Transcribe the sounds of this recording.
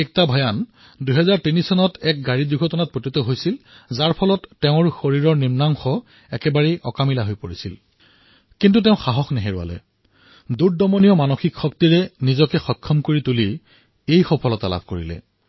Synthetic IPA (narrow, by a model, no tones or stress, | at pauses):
ɛk̚tabʱɔjan | duɦɛzaɹtinisɔnɔtɛk̚ɡaɹidiɡʱɔtɔnat̚pɹotitɔɦojsilzaɹpʰɔlɔtːɛʊ̃ɹxoɹiɹɔɹnimnamxɔ | ɛkɛbaɹɛʔɔkamilaɦojpoɹisḭl | kint̬ut̬ɛʊ̃xaɦɔxnɛɦeɹua̰lɛ̰ | duɹdɔmonijɔmanoxikxɔk̚tiɹɛnizɔkɛxɔkʰːɔmkoɹituli | ejxɔpʰɔlɔtala̰bʱkoɹilɛ̰